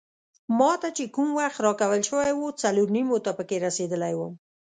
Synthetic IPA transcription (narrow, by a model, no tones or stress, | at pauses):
mɑt̪at͡ʃekumwaxt̪ɾɑkawəlʃəwajwot͡saloɾnimot̪apəkeɾased̪əlajwəm